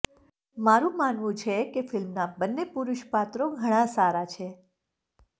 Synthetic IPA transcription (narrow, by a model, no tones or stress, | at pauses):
maɾũmanʋũt͡ʃʰekefɪlmnabənːepuɾʊʃpat̪ɾoɡʱəɽ̃ãsaɾat͡ʃʰe